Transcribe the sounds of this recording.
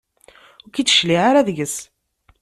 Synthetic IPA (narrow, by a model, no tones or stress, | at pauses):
ʊɾkit͡sːə̥ʃliʕaɾaðʝəs